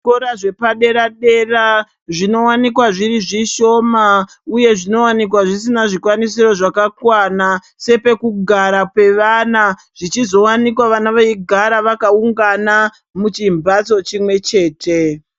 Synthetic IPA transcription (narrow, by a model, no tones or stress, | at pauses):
koɾaʐe̞paɗe̞ɾaɗe̞ra | ʐino̞wanikwaʐiriʐiʃo̞ːma | uje̞ʐino̞wanik̬waʐisinaʐikwanisiɾo̞ʐakakwana | se̞pe̞kuɡʱaɾapwe̞ʋana | ʐ̥it͡ʃizo̞wanikwaʋanaʋaiɡʱaɾaʋakauŋɡana | mut͡ʃimbat͡so̞t͡ʃimwe̞t͡ʃe̞ːtʰe̞